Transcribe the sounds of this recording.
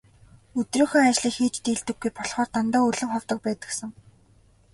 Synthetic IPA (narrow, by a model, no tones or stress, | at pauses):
ɵt̪rɵːxoːat͡ɕɮiːxiːt͡ɕt̪iːɮt̪ɘ̆ɡːujpɔɮχɔːrt̪ant̪aːɵɮɵ̆mχɔwt̪ə̆k̚pæːt̪ə̆ksə̆ŋ